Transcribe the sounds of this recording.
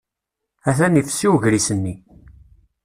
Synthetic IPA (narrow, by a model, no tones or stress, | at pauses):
æθænifsiwʝɾisənːi